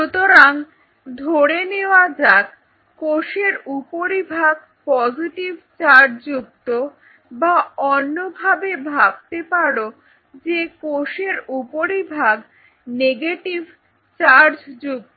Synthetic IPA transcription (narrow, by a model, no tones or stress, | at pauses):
ʃut̪oɾaŋ | d̪ʱoɽeneoad͡ʑak | koʃeɾupoɾibʱaɡ̚ | pɔziʈivt͡ɕaɾd͡ʑuk̚t̪o | baɔnːobʱabebʱab̚t̪epaɽo | d͡ʑekoʃeɾupoɾibʱaɡ | neɡeʈiv | t͡ɕaɾd͡ʑd͡ʑuk̚t̪o